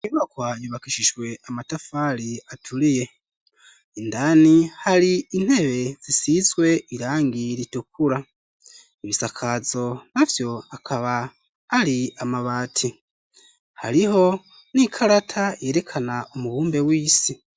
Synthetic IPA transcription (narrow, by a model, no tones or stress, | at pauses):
imakwajuβakiʃiʒwe̞amatafaɾiatʰuɾije̞ | indanihaɾiin̥he̞βe̞z̥isizɡwe̞ʔiɾaːŋɡiɾituk̚uɾa | iβisakʰazo̞navjo̞akʰaβaː | ɾiamaβaːtʰi | ha̰ɾiho̞ | nikʰaɾatʰaje̞ːɾe̞kʰanaumuβuːmbe̞wiːsi